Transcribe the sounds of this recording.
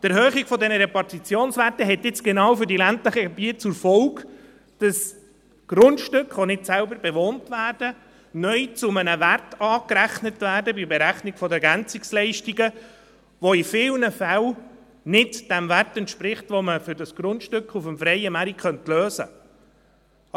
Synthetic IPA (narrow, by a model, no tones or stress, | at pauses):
tæɾhœːχiɡ̥fɔdɛnəɾɛpɑrtit͡sjoːnsʋætəɦɛtɪt͡sɡ̥ɛnɑːwfʏɾdilæntləχəɡebiət̚t͡sʊfɔlk | d̥ɑs | ɡ̥ɾʊntʃtʏkχʋonɪtsælbəɾbɛʋoːntʋæːrd̥ə | nœʏt͡sʊmənəværtɑːkɾæχnətvæːɾdəbibɛɾæχniɡ̥fɔdəɡænt͡sikslɛɪʃtiɡə | ʋoifɪːlnəfæl | nɪdd̥ɛmværtɛntʃpɾɪχtʋoməfʏɾdɑsɡ̥ɾʊntʃtʏkχufəmfɾɛɪəmæɾikχœntløːzə̰